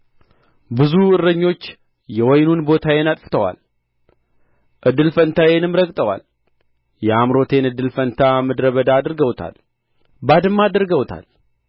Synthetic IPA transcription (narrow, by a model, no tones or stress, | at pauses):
bɨzuɨrːəɲːo̞t͡ʃː | jɛwɔjnunbo̞t̪ʰajenat̪ʼfɨ̥t̪ʰəwa̰l | ʔɨd̪ːɨlfənt̪ʰajenɨmɾəkʼt̪ʼəwa̰l | jɛamɾo̞t̪ʰe̞nɨd̪ːɨlfənt̪ʰamɨd̪ɾəβəd̪aːd̪ɾɡəwt̪ʰa̰l | bad̪ɨmːad̪ɾɡəwt̪ʰa̰l